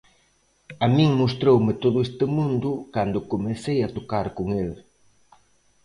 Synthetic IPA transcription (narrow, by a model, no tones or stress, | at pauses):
amĩŋmost̪ɾowmɪt̪oðʊest̪ɪmũnd̪ʊkand̪ʊkomesejat̪okaɾkoŋel